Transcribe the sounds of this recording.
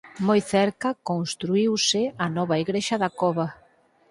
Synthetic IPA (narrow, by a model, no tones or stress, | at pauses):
mojθɛɾkɐkoŋst̪ɾuiwsɪanɔβaiɣɾeʃɐðakɔβa